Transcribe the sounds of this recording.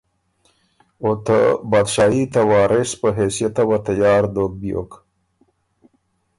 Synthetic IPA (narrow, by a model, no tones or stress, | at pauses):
ot̪ə̰bad̪ʃɑːit̪awɑːɾespəɦesijat̪awat̪ajɑːɾd̪ok̚bijo̰k